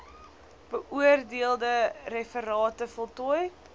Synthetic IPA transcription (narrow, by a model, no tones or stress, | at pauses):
b̥əʔuərdiəlˠdərɛfəɾɑːtəfɔlˠtɔj